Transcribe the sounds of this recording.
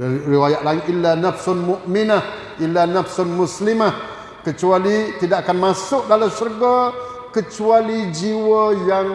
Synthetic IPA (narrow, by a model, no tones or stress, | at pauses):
riwajaʔlaiŋʔilːanafsanmuʔmɪnah | ʔilːanafsanmuslimah | kət͡ʃualit̪idaʔakanmasʊʔ̚dalamsərɡo | kət͡ʃualid͡ʒiwəjaŋ